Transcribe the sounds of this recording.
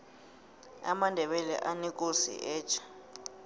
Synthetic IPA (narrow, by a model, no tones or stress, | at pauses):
a̰mandʱɛɓɛlɛ̰ʔanikʼusḭʔɛːt͡ʃʰḁ